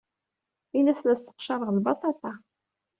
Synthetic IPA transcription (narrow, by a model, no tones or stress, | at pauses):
inæsənæsːə̥qʃɑɾˤəʁlbɑt̪ˤɑt̪ˤɑ